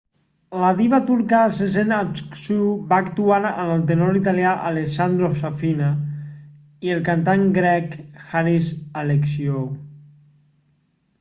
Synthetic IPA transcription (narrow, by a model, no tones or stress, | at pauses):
laβiβat̪uɾkasezenat͡sksubaːkt̪uaɾənəlˠt̪̬enoɾit̪̬aljaʔaleksand̪ɾosafina | iəlˠkant̪aŋɡɾɛkxaɾisaleksiow